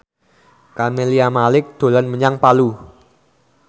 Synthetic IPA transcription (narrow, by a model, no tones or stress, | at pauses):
kameliamalɪk̚d̪̥o̤lanməɲaŋpalu